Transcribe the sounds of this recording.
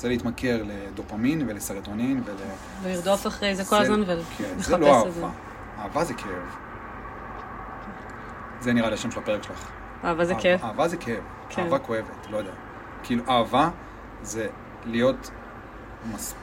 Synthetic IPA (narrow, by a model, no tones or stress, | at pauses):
zelitmake̞ʁle̞d̪opaminvelesaʁt̪oninvele | veniʁd̪ofaχʁejzekolazmanvalkʰeneχzeloesaevza | aːvazekʰev | zeniʁaleaʃemʃelape̞ʁekʃelaχ | aːvazekevaːvazekʰeev | kaːvako̞e̞vetlojod̪ea | kiiːluʔaːva | ze̞ | lijo̞t | mas